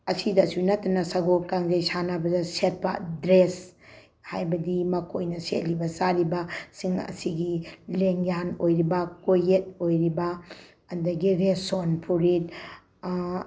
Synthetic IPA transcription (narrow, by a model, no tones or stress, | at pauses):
ɐsidɐsunatːɐnɐsɐɡop̚kaŋzejsanabɐdɐset̚pa̰dɾes | hajbɐdimɐkʰojnɐsetlibɐsaɾibɐsiŋɐ̰siɡileŋjanojɾibɐkojet̚ojɾibɐ | ɐndɐɡiɾesonpʰuɾit̚